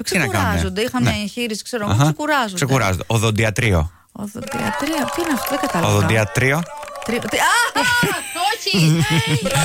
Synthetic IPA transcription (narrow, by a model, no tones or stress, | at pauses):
ksinɐkɐnɐezond̪eixɐmneɐçiɾisi̥kse̞ɾoɣɐxɐsekuɾɐzosekuɾɐ̰zond̪eoðond̪iɐt̪ɾio̰ | o̰ðod̪iɐ̰t̪ɾiot̪iineɐft̪oðeɡɐt̪ɐlɐoðond̪iɐt̪ɾiot̪ɾiot̪iɐ | oi